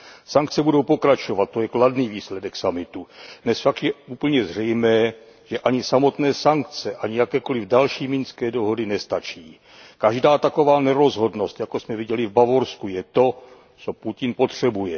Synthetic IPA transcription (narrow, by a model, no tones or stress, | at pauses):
saŋk̚t͡sɛbudo̞wpo̞kɾat͡ʃo̞vat̪̚tːo̞jɛkladniːviːslɛdɛksamɪt̪udnɛsfakt̪jɛuːpl̩ɲɛzr̝ɛjmɛː | ʒ̥ɛʔaɲɪsamo̞t̪nɛːsaŋk̚t͡sɛʔaɲɪjakɛːko̞lɪvdalʃiːmɪnskɛːdo̞ɦo̞dɪnɛst̪at͡ʃiː | kaʒdaːt̪ako̞vaːnɛɾo̞zɦo̞dno̞st̪jakosmɛvɪɟɛlɪvbavo̞ɾskujɛt̪o̞ | t͡so̞pucɪnpo̞t̪r̝̥ɛbujɛ